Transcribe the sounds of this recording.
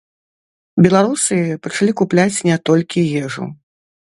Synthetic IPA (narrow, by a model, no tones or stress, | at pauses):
bʲɛlˠaɾusɨpɐt͡ʂalʲikuplʲat͡sʲnʲɛt̪ɔlʲkʲijɛʐṵ